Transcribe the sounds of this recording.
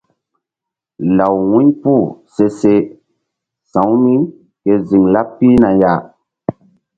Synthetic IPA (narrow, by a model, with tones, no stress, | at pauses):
la˨wwũ˦ɲpu˦˨se˦se˦ | sã˨˦wmi˦ | ke˨zi˨ŋla˦pːi˦na˨ja˦